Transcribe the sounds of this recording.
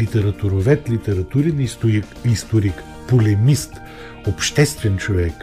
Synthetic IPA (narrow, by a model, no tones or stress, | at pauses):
it̪ɛɾɐt̪ʊɾovɛt̪lʲit̪ɛɾɐt̪uɾin | ist̪oɾik | polɛmist̪ | opʃt̪ɛst̪vɛnt͡ʃovɛk